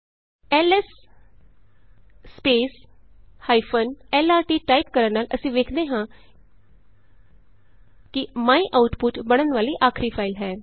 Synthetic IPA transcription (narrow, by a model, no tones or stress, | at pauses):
ɛːlɛs | peːshaːipʰənɛːlaːɾʈiːʈaːip̚kəɾənaːlʔəsĩːʋeːkʰd̪eːɦãː | kɪmaːiːʔaːʊʈpʊʈbəɽ̃ənʋaːliːʔaːkʰɾiːpʰaːɪlɦɛː